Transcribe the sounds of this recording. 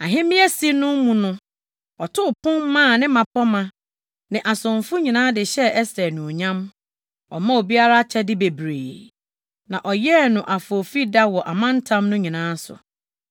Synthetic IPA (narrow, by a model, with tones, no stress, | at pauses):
a˨ɦɪ̃˦mɪ̃˦æ˦si˦nʊ̃˦m˦mũ˨nʊ̃˦ | ɔ˨tʰʊ˦˨pʰʊ̃˦mmã˦˨nɪ̃˦mã˨pʰɔ˦mã˨ | nɪ̃˨ʔa˨sʊ̃˨ɱfʊ˦ɲĩ˨nãː˦dɪ˨ɕɛ˦ʔɛ˦sɛ˨nʊ̃˨ɲã˦m | ɔ̰˨mã˦o˨bi˦a˦ɾa˦t͡ɕʰɛ˦dɪ˦be˨bɾḛː˨ | nã˨ʔɔ˨jɛ˦nʊ̃˨ʔa˨fo˨fi˦da˦wɔ˨ʔa˨mã˦n̩˦tʰã˦mnʊ̃˦ɲĩ˨nãː˦sʊ̰˨